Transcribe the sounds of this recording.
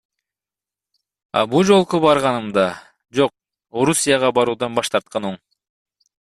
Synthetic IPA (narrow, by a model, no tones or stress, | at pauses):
ɑ̰bud͡ʒo̞lˠqubɑɾʁɑnɯmd̪ɑ | d͡ʒo̞q̚ | o̞ɾusʲijɑʁɑbɑɾuːd̪ɑnbɑʃt̪ɑɾt̪̚qɑnoɴ